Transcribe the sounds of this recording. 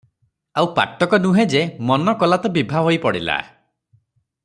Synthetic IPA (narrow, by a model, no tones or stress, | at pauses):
awpa̰k̚t̪ɔkɔnuɦẽd͡ʒemɔnɔkɔlat̪ɔbibʱaɦojpɔɽila̰